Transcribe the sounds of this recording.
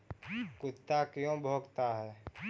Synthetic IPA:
kʊt̪ːakjõbʱoːɡt̪aɦɛː

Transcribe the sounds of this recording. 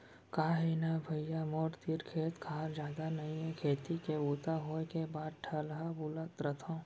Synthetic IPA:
kaːɦenabʱɐjjamɔːʈt̪iɾkʰeːt̪kʰaːɾd͡ʒjaːd̪anɐɦĩɦɛ̃kʰeːt̪ikeuːt̪aɦoːkebaːd̪̚ʈʰɐlɦabuːlət̪ɾət̪ʰõː

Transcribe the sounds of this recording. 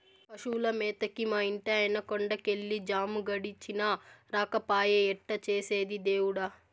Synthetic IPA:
ɐʃuːlɐmɛːt̪ɐkimaːiɳʈɐɐjnɐkoɳɖɐkeɭːid͡ʒaːmuɡɐɽit͡ʃːinɐɾaːkɐpaːjɐɛʈːɐt͡ʃeːseːd̪id̪eːwuɽɐ

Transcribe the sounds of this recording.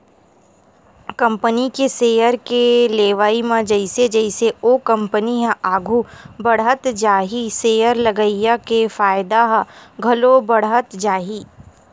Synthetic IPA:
kɐ̃mpənikeseːjəɾkeleːʋaːimãd͡ʒɐɪsed͡ʒəɪseoːkɐ̃mpəniɦɛ̃ʔaːɡʱubɐɽɦət̪d͡ʒaːɦiseːjəɾlɐɡəijakefaːɪd̪aɦɡʱɐlobɐɽɦət̪d͡ʒaːɦiː

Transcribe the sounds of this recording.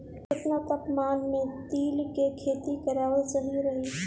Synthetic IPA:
kɪpnət̪əpmaːnmẽt̪iːlkekʰeːt̪ikəɾaːʋət͡ʃəɦiɾəɦi

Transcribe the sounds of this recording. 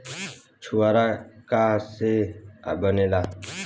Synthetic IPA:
t͡ʃʰuaːɾaːkaːsḛbəneːlaː

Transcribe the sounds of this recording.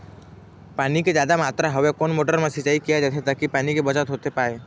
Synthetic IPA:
paːniked͡ʒjaːd̪amaːt̪ɾaɦəʋekoːnmoːʈəɾmẽsɪt͡ʃːaːikijad͡ʒɛt̪ʰet̪aːkipaːnikebət͡ʃat̪ɦoːt̪epaːe

